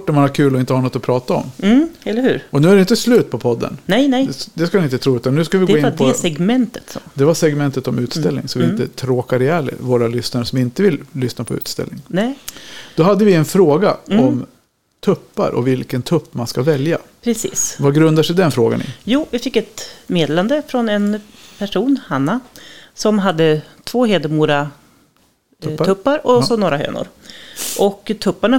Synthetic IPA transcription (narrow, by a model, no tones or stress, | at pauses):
ʈːɔmanaɾkʰʉ̟ːlɔɪnt̪əhɑːnɔt̪ːɔpʰɾɑːt̪aɔ̰mɛlːəɾhʉ̟ːɾɔnʉ̟ːæɖɛɪnt̪əslʉ̟ːt̪̚pʰɔpʰɔd̪ːə̰nnɛjnɛd̪ɛskanɪnt̪ət̪ʰɾuːʉ̟ːt̪annʉːskavɪɡoːɪnpʰɔsɛɡmɛnt̪ət̪sɔd̪ɛvasɛɡmɛnt̪ət̪ɔmʉ̟ːt̪st̪ɛlːnɪ̰ŋsɔvɪɪnt̪ət̪ʰɾoːkaɾɪjæːɭə̰voːɾalʏsnaɾəsɔmɪnt̪əvɪlːʏsnapʰɔʉ̟̰ːt̪st̪ɛ̰lɪ̰ŋnɛd̪̥ɔɦad̪ːəvɪɛnfɾoːɡaɔm | t̪ʰɵpːa̰ɾʔɔ̰vɪlkənt̪ʰɵpːmanskavɛljapʰɾɛsḭːsvaɡɾɵnd̪aʂɛd̪ɛnfɾoːɡa̰nɪ̰juːvɪfɪkːɛt̪meːd̪eːland̪əfɾɔnɛnpʰæʂuːnhanːasɔmɦad̪ːət̪ʰvoːɦeːd̪əmuːɾa | t̪ʰɵpːaɾɔsɔnoːɾaɦø̰ːnʊ̰ɾʔɔkt̪ʰɵpːaɳa